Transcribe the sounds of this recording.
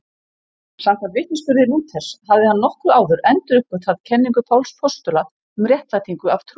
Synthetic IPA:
samkʰant̪vɪht̪nɪspʏɾðɪluːt̪ʰɛ̥shavðɪhanːɔhkɾʏaːwðʏɾɛnt̪ʏɾʏhpːʏt̪ʰaðcʰɛnːiŋkʏpʰawlspʰɔst̪ʏla | ʏmrjɛht̪lat̪ʰiŋkʏav̥t̪ʰɾ

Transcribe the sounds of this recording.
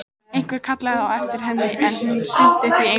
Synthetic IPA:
ejŋ̥kvɛɾ̥kʰat̪laɣɪðawɛft̪ɪɾ̥ɦɛnːɪʔɛnunsɪn̥t̪ɛt̪ie

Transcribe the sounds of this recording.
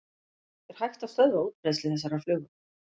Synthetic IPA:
ɛɾ̥hajxt̪aθœðvauːt̪̚pɾejslɪθɛs̬ːaɾaflʏːɣʏ

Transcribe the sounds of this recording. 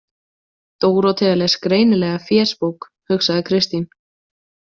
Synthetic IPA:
t̪oːwɾɔwt̪ʰɛðalɛɣskɾeːjnɪlɛːɣafjɛːɾ̥spowk | hʏxsaðɪkʰɾɪst̪in

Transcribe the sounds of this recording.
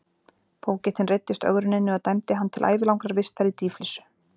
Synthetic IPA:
pʰoːwcɛht̪ɪnrejt̪ːɪst̪œ̰ɣɾʏnɪnːɪaðt̪ajmt̪ɪɦanːt̪ʰɪla̰ːjvɪlawŋkɾaɾvɪst̪aɾit̪iːflisʏ̥

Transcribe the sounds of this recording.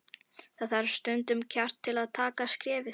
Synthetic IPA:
θaðθaɾst̪ʏnt̪ʏmcʰawr̥t̪ʰːɪlaðt̪ʰaːkaskɾɛːvɪ

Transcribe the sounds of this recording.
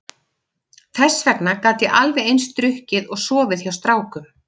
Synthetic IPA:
θɛsvɛknakaːt̪jɛʔalvɛðejnst̪ɾʏhcɪðɔɣsɔːvɪðçawst̪ɾaːwkʏm

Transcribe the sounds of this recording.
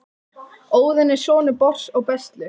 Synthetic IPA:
oːwðɪnɪ̥sɔːnɪpɔr̥sɔɣpɛst̪lɪ

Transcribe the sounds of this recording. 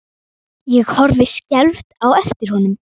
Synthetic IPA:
jɛɣhɔɾvɪscɛlft̪awɛft̪ɪɾ̥hɔnʏm

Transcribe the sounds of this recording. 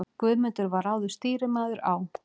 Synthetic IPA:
kvœːðmɪnt̪ʏɾvaɾaːwðʏ̥st̪iːɾɪmaːðʏɾaːw

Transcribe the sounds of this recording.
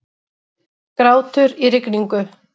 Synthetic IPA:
kɾaːwt̪ʏɾiɾɪkniŋkʏ

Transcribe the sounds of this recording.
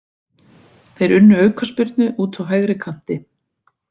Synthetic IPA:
θejɾʏnːʏœːɥkʰaspɪɾt̪nʏʔuːt̪ʰawɦajɣɾɪkʰam̥t̪ɪ

